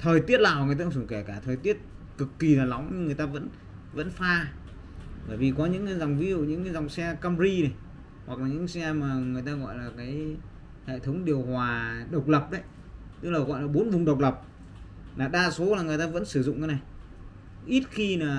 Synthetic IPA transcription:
t̪ʰəː˨˩jt̪i˦˥ət̚laː˨˩wŋɨ˨˩t̪aː˧˩u˧˩ke˧˩kaː˧˩t̪ʰəː˨˩jt̪i˦˥ət̚ | kɨ˨˩kːi˨˩laː˨˩la˨˦wŋ͡mɲɨ˧ŋɨ˨˩əjt̪aː˧və̰˧˥n | və̰˧˥nfaː˧ | vəː˧˩jvi˨˩kɔ˨˦ɲɨ̰˧˥ŋ˨˦za˨˩wŋ͡mvi˨˦zṵ˧˨ɲɨ̰˧˥ŋː˨˦za˨˩wŋ͡msɛ˧kaː˧mzi˧nə˨˩j | hwa˨˩k̚laː˨˩ɲɨ̰˧˥ŋsɛ˧maː˨˩ŋɨ˨˩əjt̪aː˧ɣɔ̰˧˨jlaː˨˩kaː˨˦j | hḛ˧˨t̪ʰə˨˦wŋ͡mɗi˨˩əwhwaː˨˩ɗə˨˩wk͡p̚lə˨˩p̚ɗə˨˦j | t̪ɨ˦˥k̚laː˨˩ɣɔ̰˧˨jlaː˨˩ɓo˨˦nvʊ˨˩ŋ͡mɗə˨˩wk͡p̚lə˨˩p̚ | laː˨˩ɗaː˧so˨˦laː˨˩ŋɨ˨˩əjt̪aː˧və̰˧˥nsɨ˧˩zʊ̰˧˨ŋ͡mka˨˦na˨˩j | ʔi˦˥t̚xi˧naː˨˩

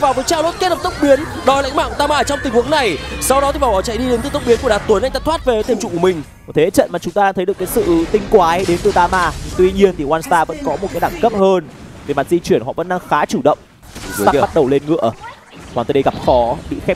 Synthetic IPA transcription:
vaː˨˩wvəː˨˦jt͡ɕaː˧˩wlo˦˥t̚ke˦˥t̚lə˨˩t̪wk͡p̚ɓi˨˦ən | ɗɔ˨˧˩jla̰˧˥jŋ̟ma̰ː˧˨kt̪aː˧maː˧˨t͡ɕwŋ͡mt̪ï˨˩ŋ̟hu˨˦əna˨˩jsa˧wɗɔ˨˦t̪i˨˩vaː˨˩ɓaː˧˩wt͡ɕa̰˧˨jɗi˧ɗe˨˦nt̪ɨ˨˧˩t̪ə˦˥k͡p̚ɓi˨˦nku˧˩əɗ̚ːt̪ːjna˧jŋt̪aː˧˦t̪ʰwa˦˥t̚ve˨nɔ˨˦t̪ʰe˧˩mt͡ɕʊ̰˧˨ku˧˩˨ï˩ŋ̟˨˩t̪ʰe˨˦˥t͡ɕə̰˧˨nmaː˨˩t͡ɕʊ˨˦ŋ͡mt̪aː˧ɗaː˧ŋt̪ʰjɗə˩kːaː˨˦jsɨ̰˧˨t̪ï˧ŋ̟kwaː˨˦ɗe˨˦nt̪ɨ˨˩t̪aː˧maː˧˩t̪wi˧ɲi˧ənt̪ʰi˨˩hwaː˧nst̪aː˧və̰˧˥nkɔ˨˦m˨˩t̚kaː˨˦jɗaː˧˩ŋkə˦˥p̚həː˧nvi˨˩ma˨˩t̚zi˧t͡ɕwi˧˩ənɦɔ̰˧˨və̰˧˥nɗaː˧ŋxaː˨˦t͡ɕu˧˩ɗə̰˧˨wŋ͡m | ɓt̚ɗə˨˩wle˧nŋɨ̰˧˨ə | hwaː˨˩t̪ə˨˩jɗə˧ɣa˨˩p̚xɔ˨˦ɓḭ˧˨xɛ˦˥

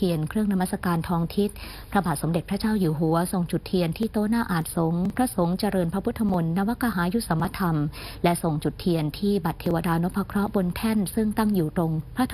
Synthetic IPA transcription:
i˧ənkʰɾɯ˥˩əŋna˧ma˦˥t̪̚sa˧kaː˧nt̪ʰɔː˧ŋt̪ʰi˦˥t̪̚ | pʰɾa˧baː˨˩t̪̚so˩˦mde˨˩t̪̚pʰɾa˦˥t͡ɕaː˥˩wjuː˨˩ɦu˩˦ɐso˨˩ŋt͡ɕu˨˩t̪ʰːi˧ənt̪ʰiː˥˩t̪oː˦˥naː˥˩ʔaː˨˩t̪̚so˨˦ŋpʰɾa˦˥so˩˦ŋt͡ɕa˧ɾɤː˧npʰɾa˦˥pʰu˦˥t̪ʰːa˧mo˧nːa˦˧˥wa˦˥kaː˧ɦaː˩˦ju˦˥sa˩˦mːa˧t̪ʰa˧mlɛ˦˥so˨˩ŋt͡ɕu˨˩t̪ʰːi˧ənt̪ʰiː˥˩ba˨˩t̪ʰːeː˧wa˧daː˧no˦˥pʰːa˧kʰɾɔ˦˥ʔbo˧nt̪ʰɛ˥˩nsɯ˥˩ŋt̪a˥˩ŋjuː˨˩t̪ɾo˧ŋpʰɾa˦˥t̪ʰ

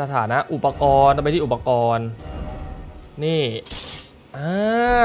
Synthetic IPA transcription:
sa˧t̪ʰaː˩˦na˦˥ʔu˨˩pa˧kɔː˧nɾa˧pa˧t̪ʰiː˥˩˨u˨˩pa˧kɔː˧n | iː˥˩ | ʔɤː˧

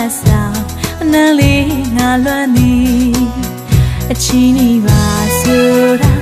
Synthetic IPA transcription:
sã˨ | ʔənã˦le˦ŋa˨lwɛ̃˦nd̪i˨ | ʔət͡ɕʰi˨ni˨ba˨so˨ɾ

